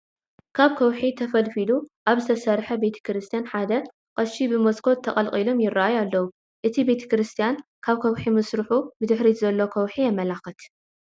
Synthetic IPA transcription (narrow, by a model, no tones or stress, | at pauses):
kʰaβkʰɐwħit̪ʰɐfɐlfiluʔaβzɨt̪ʰɐsɐɾħɐbe̞t̪ʰɐ̥kɾɨst̪ʰijanħad̪ɐ | qʼɐʃibɨmoskʰo̞t̪ʰːɐqʼɐlqʼilo̞mjɪrːaʔajalːɐwu | ʔɨt̪ʰibe̞t̪ʰɐ̥kɾɨst̪ʰijankʰaβkʰɐwħimɨsɾɨħubɨd̪ɨħɾizɐlːo̞kʰɐwħijɐmɐlaxɨt̪